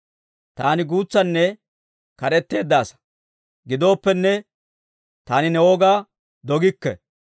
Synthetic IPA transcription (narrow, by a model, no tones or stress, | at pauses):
t̪aːnɪɡuːt͡sːɐnːɛ | kɐɾɛt̪ːe̞ːd̪ːaːsɐ̥ | ɡɪd̪o̞ːpːɛnːɛ | t̪aːnɪnɛwoːɡaː | d̪ɔɡɪkːɛ̰